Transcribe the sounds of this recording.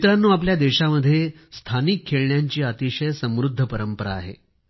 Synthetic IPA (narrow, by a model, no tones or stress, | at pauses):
it̪ɾanːuːap̬ljad̪eɕaməd̪ʱːje | st̪ʰanikʰːeɭɳjaɲt͡ɕiːat̪iɕəjsə̃mɾud̪ʱːəpəɾəmpəɾa̰ːɦḛ